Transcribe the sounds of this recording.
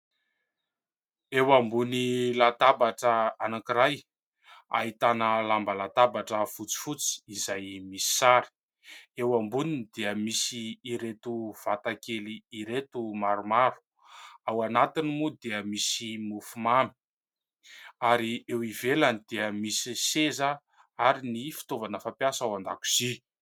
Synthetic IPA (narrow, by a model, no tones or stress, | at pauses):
ewambunilat̪abaʈ͡ʂəanakiɾaj | a̰ɦit̪anəlambəlat̪abaʈ͡ʂəfut͡si̥fut͡si̥izajmisi̥saɾi̥ | ewambuninid̪eəmisiːɾet̪uv̥at̪akeliːɾet̪umaɾumaɾu̥ | awanat̪inimud̪eəmisimufumami̥ | aɾiewivelanid̪̥eəmisisezə | aɾinifi̥t̪ovanəfapjasawand̪aku̥z̥i